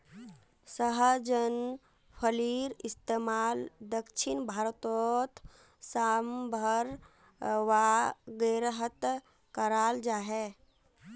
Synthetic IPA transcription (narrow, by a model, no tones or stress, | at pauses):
səɦəd͡ʒən | pʰəliɾɪst̪eːmaːld̪əkt͡ʃʰinbʱaːɾt̪ɔt̪ʰ | sambʱəɾ | ʋaɡəɾɦət̪ | kəɾaːld͡ʒaɦɛ